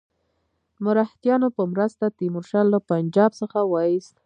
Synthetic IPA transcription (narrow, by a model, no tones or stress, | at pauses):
mʊɾɑht̪jɑnopəmɾəst̪at̪imʊɾʃɑlːapand͡ʒɑbsəxawɑist̪